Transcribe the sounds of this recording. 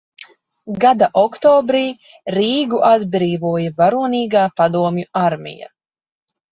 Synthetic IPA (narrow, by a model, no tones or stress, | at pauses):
ɡad̪aʔɔkt̪ɔːbɾiː | ɾiːɡuʔad̪bɾiːvuɔjavaɾuɔniːɡaːpad̪uɔmjuaɾmḭja̰